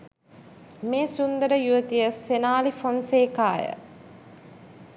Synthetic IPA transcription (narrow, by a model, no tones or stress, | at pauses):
meːsund̪əɾəjuʋət̪ijəsenaːlifonseːkaːjə̰